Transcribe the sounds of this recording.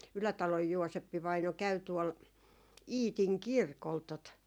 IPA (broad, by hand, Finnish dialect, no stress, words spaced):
ylætɑloj juosepːiʋɑino kæy tuol iːtiŋ kirkol tot